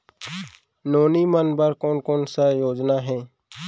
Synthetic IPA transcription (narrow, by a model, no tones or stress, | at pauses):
noːniːmənbəɾkoːnkoːnsajoːd͡ʒnaɦɛ̃ː